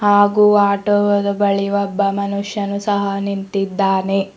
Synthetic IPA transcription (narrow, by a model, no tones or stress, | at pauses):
haːɡuaːʈoʋɐd̪ɐbɐɭiʋɐbːɐmɐnuʂjɐnusɐɦɐnint̪id̪ːaːne